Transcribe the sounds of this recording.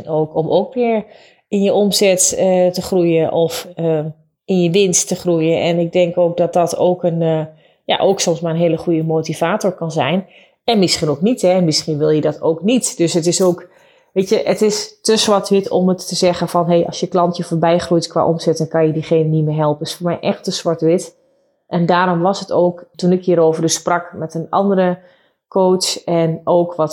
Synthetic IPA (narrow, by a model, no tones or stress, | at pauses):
noːkɔmʔoːkʋɪəɹ | ɪnjəʔomzɛtətəχrujəʔɔfə | ɪnjəʋɪnstːəχrujənʔɛnɪk̚dɛŋkoːk̚dɔt̚dɔtʰo̰ːkən | ja̰ʔoːksɔmsmaːənɦeːləχujəmoːtiv̥aːtoɹkɑnzɛjn | ɛnmɪsχinowknitɛnmɪsχinʋɪlˠjədɔto̰ːknitd̥øsətɪsoːk | ʋeːtjəʔətɪstəsʋɔɹtʋɪtʰɔ̰mətːəzɛɣəfɔnɦejʔɑ̰sjəklɑntjəfoːɹbɛjxrujtkwʋa̰ːʔomsɛtənkɑnjədiχeːnənimɪɦɛlˠpənɪsfoːrmɛjʔɛxtəsʋɔtʋɪt | ʔɛndaːɾɔmʋɔsətʰoːktunɪkjiəɾoːvərəsprɑkmɛtənɑ̰ndərə | kʰoːsɛnoːkʋɔt